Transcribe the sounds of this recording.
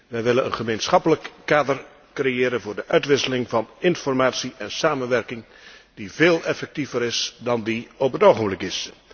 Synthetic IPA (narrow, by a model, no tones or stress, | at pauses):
ʋɛjʋɪlənə̰nχəmejnsχɑpələkːaːdər | krejɪːɾənvʊːɹdəʔœɥtʋɪsəlɪŋvɑnɪnfɔrmaːtsiʔɛnsaːmənʋɛrkɪŋ | diveːlˠʔɛfɛk̚tivəɾɪsdɑndiɔpɦətowχənblɪkɪs